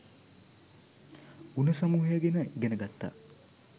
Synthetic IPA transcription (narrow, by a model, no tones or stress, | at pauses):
unəsamuːɦejəɡenəʔiɡenəɡat̪ːa̰ː